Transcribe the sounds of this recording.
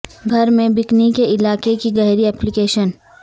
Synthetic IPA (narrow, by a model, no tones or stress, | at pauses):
ɡʱɐɾmẽbɪknikeʔɪlaːkekiɡɛɦɾiɛːplɪkeːʃən